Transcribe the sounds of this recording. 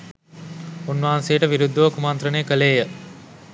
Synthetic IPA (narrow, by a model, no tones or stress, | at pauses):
unːʋaɦansejəʈəʋiɾud̪ːəʋəkumant̪ɾəneːkəleːjə